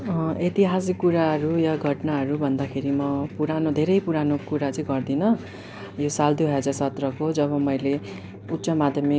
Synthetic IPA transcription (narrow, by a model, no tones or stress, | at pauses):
et̪iɦasikːuɾaɦʌɾujaɡʱʌʈnaɦʌɾubʱʌnd̪akʰeɾimʌpuɾanod̪ʱeɾʌjpuɾanokuɾat͡sʌĩɡʌrd̪inʌ | josald̪uɦʌd͡zarsʌt̪rʌkod͡zʌβʌmʌjle | ut̪sʌmad̪ʱjʌmik